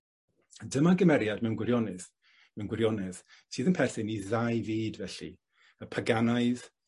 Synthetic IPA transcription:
dəmaɡəmɛɾjadmɛwnɡwɪɾjɔnɨθ | mɛwnɡwɪɾjɔnɨð | sʰɨːðənpʰɛrθɨniðajviːdvɛɬḭ | əpʰaɡanaɨð

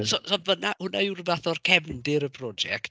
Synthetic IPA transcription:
sɔsɔnvənahʊnaurvaθɔrkʰɛvndɪɾəpʰrɔd͡ʒɛ̰k̚t

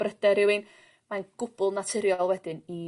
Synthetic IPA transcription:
b̥rəd̥ɛɾɪwɨn | manɡ̥ʊb̥ʊlˠnatʰɪɾjɔlˠwɛdɪni

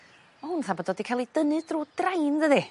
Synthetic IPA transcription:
ɔlunθabɔdɔːdikʰalˠid̥ənɨd̥ruːd̥rajnðəði

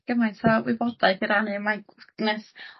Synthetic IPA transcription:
ɡ̥əmajntʰavwɪbɔd̥ajθiɾanɨmajnɛs

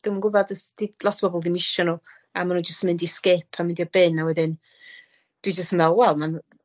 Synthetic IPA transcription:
d̥umənɡʊbadəsd̥ilˠɔsʰb̥ɔbɔlˠðimɪʃɔnu | amanund͡ʒəstmɪndiskeːpʰamɪndiɔbɪnːawɛdɪn | d̥wid͡ʒəstəmɛlˠwɛlˠman

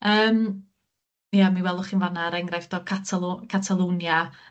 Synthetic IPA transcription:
əːm | jamiwɛlˠʊχiːnvanaɾɛŋɡrajfd̥ɔkʰatʰalˠkʰatʰalˠuːnja

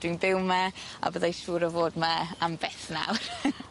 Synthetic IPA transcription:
d̥winbɪwmaa̰bəðajʃuːɾəvoːdmaambɛθna̰wr

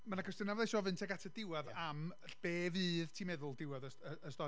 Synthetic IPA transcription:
manakʰɔstɪnavɔðejʃɔvɨntʰɛɡatʰadɪwaðam | rb̥eːvɨːðtʰiːmɛðʊlˠdɪwaðəəəstɔ

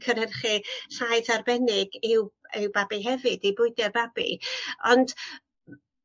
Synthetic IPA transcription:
kʰəɾɛrχiɬajdarbɛnɪɡɪwɪwbabiɦɛvɨdibʊɨdjarbab̥ḭɔnd̥

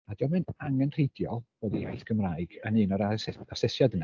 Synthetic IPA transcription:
adɔmɨnaŋɛnr̥ejdjɔlˠb̥oːðija̰jθkʰəmraːjɡ̥ənɨːnɔɾasasɪsjadəna

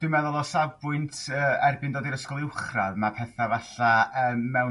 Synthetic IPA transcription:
d̥wɪmɛðʊlˠɔsabʊɨntʰəːɛrbɪndoːdiɾəskɔlˠɪwχraðmapʰɛθavaɬaəːmːɛw

